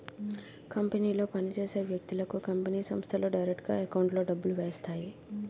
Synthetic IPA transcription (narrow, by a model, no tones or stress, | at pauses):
kɐmpeniːloːpɐnid͡ʒeːseːʋjɐk̚t̪ilɐkukɐmpɐniːsɐ̰mst̪ʰɐloːɖɐjɾek̚ʈɡa̰ekɐwɳʈloːɖɐbːɐlʋeːjɐst̪ʰaːji